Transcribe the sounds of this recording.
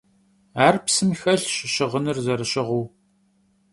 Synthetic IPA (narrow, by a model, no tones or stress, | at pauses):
aːrpsɨmxɐɬɕɪɕɪʁənɨrzɐɾɨɕɪʁuː